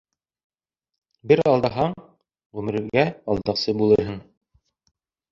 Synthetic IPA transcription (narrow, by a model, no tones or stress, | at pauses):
bɘɾɑlˠd̪ɑɦɑɴ | ʁʉmɘ̆ɾɘ̆ɾɡæɑlˠd̪ɑqsɤbulˠɤɾɦɤɴ